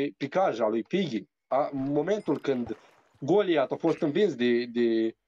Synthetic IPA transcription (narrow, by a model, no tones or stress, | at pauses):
pikaʒalujpiɡʲi | amːoment̪ulkɨnd̪ | ɡoliat̪afost̪ɨnvinsd̪ed̪e